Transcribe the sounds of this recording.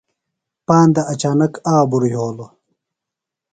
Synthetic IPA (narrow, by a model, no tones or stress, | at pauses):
paːnd̪ɐʔɐt͡ɕaːnɐkaːbuɾijoːlo